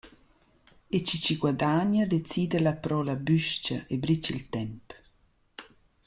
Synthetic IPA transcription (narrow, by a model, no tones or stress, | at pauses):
et͡ʃit͡ʃiɡwad̪aɲad̪et͡siːd̪əlapɾɔlabyʃt͡ʃaʔebɾit͡ʃilt̪ɛmp